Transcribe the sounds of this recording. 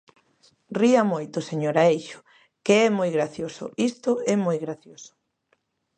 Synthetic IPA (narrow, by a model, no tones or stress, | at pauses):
riamojt̪ʊseɲoɾaejʃʊ̥ | keɛmojɣɾaθjosʊ̰ist̪ʊɛmojɣɾaθjosʊ̥